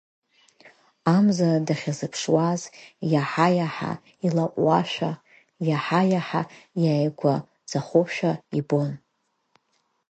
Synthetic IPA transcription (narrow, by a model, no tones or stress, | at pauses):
amzadaχʲazɨpʰʂwazjaħajaħa̰ | ilaʔʷʼwaʃᶣʷa | jaħajaħajaːjɡʷa | z̥aχoʃᶣaibo̞n